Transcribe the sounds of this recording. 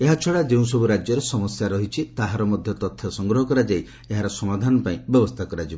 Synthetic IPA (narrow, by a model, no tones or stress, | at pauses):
eɦat͡ʃʰɔɽad͡ʒeũsɔbuɾad͡ʒjɔɾesɔmɔsjaɾɔɦit͡ʃʰit̪aɦaɾɔmɔd̪ʱjɔt̪ɔt̪ʰːjɔsɔŋɡɾɔɦɔkɔɾad͡ʒaj | eɦaɾɔsɔmad̪ʱanɔpaĩbjɔbɔst̪ʰakɔɾad͡ʒibɔ